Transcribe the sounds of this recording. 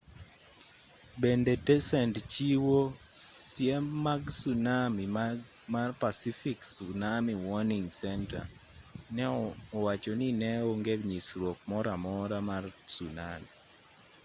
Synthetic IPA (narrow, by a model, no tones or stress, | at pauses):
bendetɛsɛntt͡ʃiwosjemːaɡsunami | marpasifiksunamiwɔniŋsɛnta̰ | nɛɔwat͡ʃɔninɛoŋɡebɲisɾwok̚mɔɾamɔɾamarsunami